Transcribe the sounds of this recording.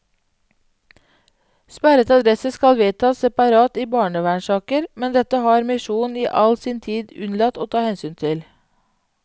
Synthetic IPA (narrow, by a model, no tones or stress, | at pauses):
spæɾət̪ɑd̪ɾɛsəskɑlʋeːt̪ʰɑːsɛpɑɾɑːt̪iːbɑːɳəʋæɳʃɑːkəɾmɛnd̪ɛt̪əhɑːɾmɪʃuːniːʔɑlsiːnt̪ʰiːd̪ʉnlɑt̪oːt̪ʰɑːhɛnsyːnt̪ʰɪl